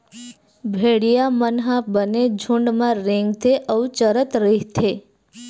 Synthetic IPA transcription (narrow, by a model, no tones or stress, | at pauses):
bʱeɽijamənɦãbəned͡ʒʱũɳɖmãɾẽŋɡt̪ʰeʔəʋt͡ʃəɾət̪ɾeɦt̪ʰe